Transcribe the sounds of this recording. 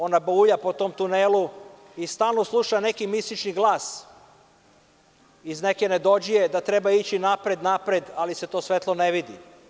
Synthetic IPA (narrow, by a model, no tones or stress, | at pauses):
o̞nabuʎapo̞t̪o̞ːmt̪unelu | ist̪aːlˠnoslˠuʃane̞kimisit͡ʃniɡlˠaːs | izne̞ke̞ne̞d̪o̞d͡ʒije̞d̪at̪ɾe̞bait͡ɕinapɾed̪napɾed̪alise̞t̪o̞ːsʋe̞t̪lˠoneʋid̪i